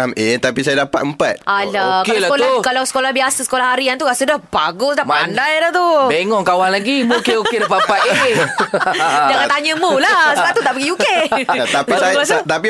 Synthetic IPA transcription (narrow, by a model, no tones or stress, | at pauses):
amet̪apisajadapa̰t̪əmpa̰t̪ʔalakaelaaukalawsə̥kolahbiasəsə̥kolahɦaɾiant̪uɾasədahbaɡʊsdaandajdaht̪ubeŋɔŋkawaŋlaɡimukeoedapapat̪̚ee | d͡ʒaŋant̪aɲəmulasəaut̪aʔpəɡijukeat̪apsajat̪api